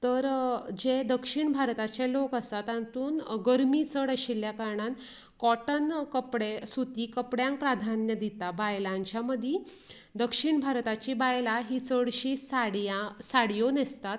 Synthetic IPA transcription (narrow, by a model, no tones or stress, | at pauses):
t̪əɾd͡ʑed̪əkʂiɳbʱaɾt̪at͡ɕelokəst̪at̪ant̪uːnɡəɾmit͡səɽəɕiljakaɾɳan | kɔʈənkəpɽesut̪ikəpɽjãŋk̚pɾad̪ʱanjəd̪it̪abajlãɲt͡ɕjaməd̪ʱji | d̪əkʂiɳbʱaɾt̪at͡ɕibajlaɦit͡səɽɕiːsaɽjasaɽjonest̪at̪